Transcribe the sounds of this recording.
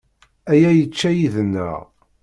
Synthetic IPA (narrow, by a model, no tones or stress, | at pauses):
æjæjət͡ʃːæjiðənːə̰ʁ